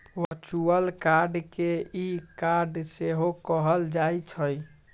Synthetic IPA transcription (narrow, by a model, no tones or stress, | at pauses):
ʋəɾt͡ʃuəlkaɾɖkeikaɾɖseɦokəɦəld͡ʒajt͡ʃʰəj